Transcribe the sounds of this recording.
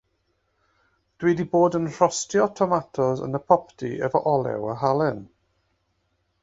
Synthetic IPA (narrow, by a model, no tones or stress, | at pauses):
d̥wiːdiboːdənr̥ɔstiɔtʰɔmatʰɔzə̰nəpʰɔptʰiʔɛvəʔɔlˠɛ̰wəɦalɛn